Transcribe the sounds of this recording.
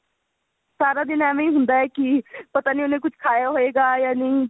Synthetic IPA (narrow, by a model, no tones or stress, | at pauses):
saːɾaːd̪ɪnɛːmẽĩːɦʊ̃nd̪aːɛːkɪpət̪aːniːʊnẽːkʊt͡ʃʰkʰaːjaːɦoːeːɡaːjaːniː